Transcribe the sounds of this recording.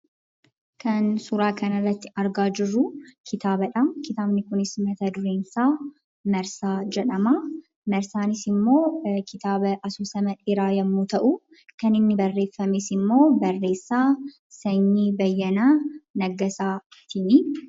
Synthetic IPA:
kɐnsʊɾaːkɐnɐrːɐt̪ːɪ̥ɐɾɡaːd͡ʒɪrːʊkʰɪt̪aːbɐᶑɐkɪt̪aːbnɪkʊnɪsmɐt̪ɐd̪ʊɾeːnsaː | mɐɾsaːd͡ʒɛᶑɐma | mɐɾsaːnɪsɪmːo̞ːkɪt̪aːbɐʔɐsuːsɐmɐᶑɪɾaːjɐmːuːt̪ɐʔʊ | kɐnɪnːɪbɐrːe̞ːfːɐmesɪmːo̞ːbɐrːe̞ːsːaː | sɐɲːibɐjːɐnaːnɐɡɐsaːt̪ɪnɪ

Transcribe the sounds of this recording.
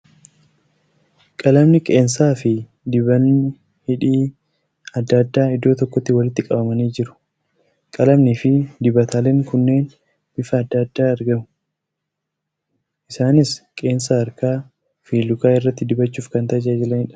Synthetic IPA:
kʼɐlɐmnɪkʼe̞ːnsaːfɪ | d̪ɪβɐnːɪ | hɪᶑiː | ɐd̪ːad̪ːaːɪd̪ːo̞ːt̪ɔkːɔt̪ːɪwɐlɪt̪ːɪkʼɐbɐmɐniːd͡ʒɪɾʊ̥ | kʼɐlɐmnɪfɪd̪ɪbɐt̪ʰaːlɛŋkʊnːe̞ːn | bɪfɐːd̪ːaːd̪ːaːɐɾɡɐmʊ̥ | ʔɪsaːnɪskʼe̞ːnsaɐɾkaː | fiːlʊkaːɪrːɐt̪ːɪd̪ɪbɐt͡ʃːuːfkɐnt̪ɐd͡ʒaːɛd͡ʒɪlɐnhɪᶑɐ̥

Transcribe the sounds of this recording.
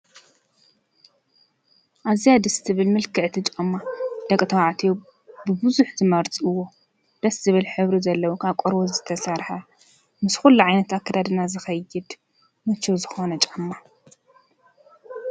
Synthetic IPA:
ʔazijad̪ɨst̪ʰɨβɨlmɨlkʰɨʕt̪ʰɨt͡ʃʼɐmːad̪̥ɐkʼt̪ʰɐwaʕt̪ʰi | bɨbɨzuħzɨmɐɾt͡sʼɨwːo̞ | d̪̥ɐszɨβɨlħɨβɾizɐlːɐwukʰaβkʷʼoɾbozɨt̪ʰɐsɐɾħɐ | mɨsxulːuʕajnɐt̪akʰːɐd̪ad̪ɨnazɨxɐjɪd̪ | mɐt͡ʃʰːuzɨxo̞nɐt͡ʃʼɐmːa

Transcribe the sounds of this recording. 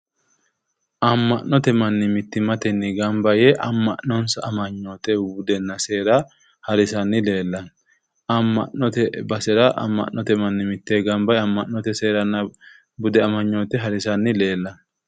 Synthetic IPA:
ʔɐmːɐʔnːɔt̪ɛmɐnːɪmɪt̪ːɪmɐt̪ɛnːɪɡɐmbɐjɛʔɐmːɐʔnːɔnsɐɐmɐɲːoːt̪ɛbʊd̪ɛnːɐseːɾɐ | hɐɾɪsɐnːɪle̞ːlːɐn | ɐmːɐnːɔt̪ɛbɐsɛɾɐʔɐ̰mːɐ̰ʔnːɔt̪ɛmɐnːɪmɪt̪ːɛɡɐmbɐjɐmːɐʔːɔt̪ɛseːɾɐnːɐ | bʊd̪ɛɐmɐɲːoːt̪ɛɦɐɾɪsɐnːɪle̞ːlːɐn

